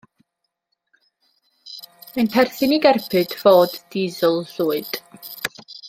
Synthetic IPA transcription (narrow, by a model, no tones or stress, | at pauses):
manpʰɛrθɪniɡɛrpʰɨd̥v̥oːdːiːðʊlˠɬuːɨd̥